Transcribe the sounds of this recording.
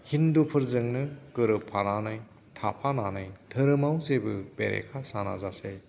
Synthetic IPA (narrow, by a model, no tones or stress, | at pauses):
hindupʰɯɾzɯŋnɯkɯɾɯpʰːaɾanɯj | tʰapʰananɯjtʰɯɾɯmawsebɯbeɾḛkʰasana̰zase